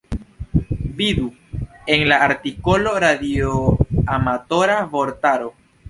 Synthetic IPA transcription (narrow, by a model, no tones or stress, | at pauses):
bidu | e̞nlaːɾtiko̞lo̞ɾadioamato̞ɾavo̞ɾtaɾo